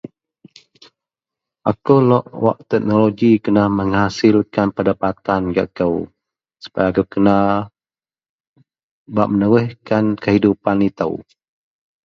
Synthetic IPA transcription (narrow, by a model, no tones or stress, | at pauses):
ʔakəwlɔʔwa̰ʔt̪ɛk̚noloɡikənahməŋhasɪlkanpədapat̪anɡa̰ʔkəw | su̥pajaːkəwkəna | baʔmənəɾəhkankəɦidupanit̪ə̰w